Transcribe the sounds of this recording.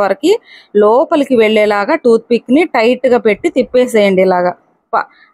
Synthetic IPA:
ʋɐɾɐkilɔːpɐlɐkiʋeɭːɛːlaːɡaʈuːt̪̚pikːniʈɐjʈːɡaːpe̞ʈːit̪ipːeːs̬ɛːjɐɳɖilaːɡɐ | pɐ̰

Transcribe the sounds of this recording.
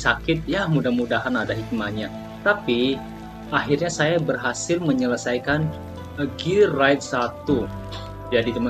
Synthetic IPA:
sakɪt̪̚jahmudahmudahanadaɦik̚maɲa | t̪api | aɦirɲasajabərɦasɪlməɲələsajkan | əɡirajt̪̚sat̪u | d͡ʒadit̪əmə

